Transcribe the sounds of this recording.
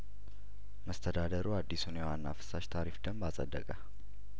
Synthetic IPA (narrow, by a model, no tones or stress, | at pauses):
məst̪ʰəd̪ad̪əɾuad̪ːisunjewanːafɨ̥saʃt̪ʰaɾifd̪əmbasʼə̰d̪ːəkʼə